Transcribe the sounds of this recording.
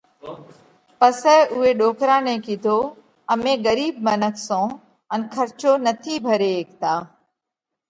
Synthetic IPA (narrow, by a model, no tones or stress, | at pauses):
pəsəːʔʊɦeːɗoːkɾaːnẽːkiːd̪ʱoː | əmẽːɣəɾiːb̚mənəksõː | ənkʰəɾt͡ʃoːnət̪ʰiːbʱəɾeːeːk̚t̪aː